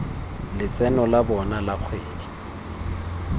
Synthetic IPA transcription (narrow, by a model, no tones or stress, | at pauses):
lɪt͡sʼɛnɔlabɔnalaq͡χʰweːdi